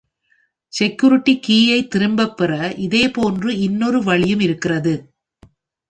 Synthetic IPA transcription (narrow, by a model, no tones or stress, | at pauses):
sɛkjʊɾɪʈːikiːjɐɪt̪ːɪɾɯmbɐpːɪrɐʔɪðeːpoːndrɯɪnːɔɾɯʋɐɭɪjɯmɪɾɯkːɪrɐðɯ